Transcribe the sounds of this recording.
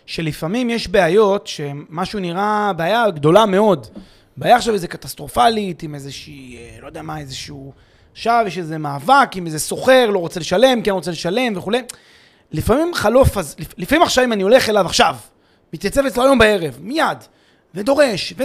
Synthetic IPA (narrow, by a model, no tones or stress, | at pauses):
ʃe̞lifamimjeʃbe̞ajo̞tʃe̞maʃuniʁabeajaɡd̪o̞lame̞o̞d | baːjaχʃaveze̞kat̪ast̪ʁo̞falit̪imezeʃiːlo̞d̪ejamae̞zeʃuu | ʃavjeʃezemaːvakimezeso̞χe̞ʁlo̞ʁot͡se̞leʃale̞mkenʁot͡seleʃale̞mve̞χule̞j | lifamimχalo̞fazlilifamimaχʃavimanio̞le̞χe̞lavaχʃav | mit̪jat͡sevet͡sloajo̞mbae̞ʁe̞vmijad̪ | ve̞d̪oʁe̞ʃve